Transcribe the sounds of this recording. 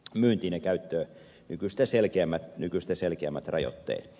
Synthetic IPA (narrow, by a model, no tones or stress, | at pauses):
myːnt̪iːnekæyt̪ːøː | nykyst̪æselkeæmːæt̪nykyst̪æselkeæmːæt̪rɑ̰jo̰t̪ːḛːt̪